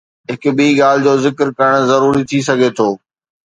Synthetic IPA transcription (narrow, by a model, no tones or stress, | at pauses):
ɦɪkɓiːɠaːl̤ɪd͡ʑoːzɪkɾkɐɾəɽ̃zɐɾuːɾit̪ʰis̬ɐɡʱet̪ʰoː